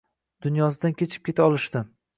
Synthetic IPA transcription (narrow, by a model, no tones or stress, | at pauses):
d̪̥ʊnjɒsɪd̪ankʲʰe̞t͡ʃʰɪp̚kʲe̞t̪ʰaɒlˠɪʃt̪ɪ